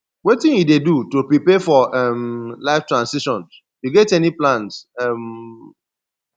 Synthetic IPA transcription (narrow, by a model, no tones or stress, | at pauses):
wetĩnjidedutopɹipɛfɔɛmlaɪftɹãnsiʃɔ̃ns | juɡɛtɛniplãnsɛm